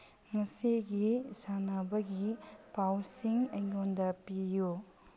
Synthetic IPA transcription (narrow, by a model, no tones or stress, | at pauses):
ŋɐsiɡisanɐbɐɡipawsiŋɐjŋondɐpiju